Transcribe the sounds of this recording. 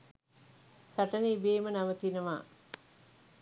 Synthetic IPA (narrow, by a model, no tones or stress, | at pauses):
saʈəniibeːmənaʋət̪inəʋa̰ː